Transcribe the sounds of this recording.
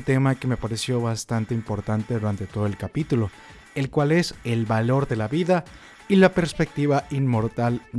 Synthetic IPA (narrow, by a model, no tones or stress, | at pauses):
t̪e̞make̞me̞paɾe̞sjo̞βast̪ant̪eimpo̞ɾt̪ant̪e̞ðuɾant̪e̞t̪o̞ð̞o̞e̞lkapit̪ulo̞ | e̞lkwale̞se̞lβalo̞ɾðe̞laβiða | ilape̞ɾspe̞k̚t̪iβainmo̞ɾt̪al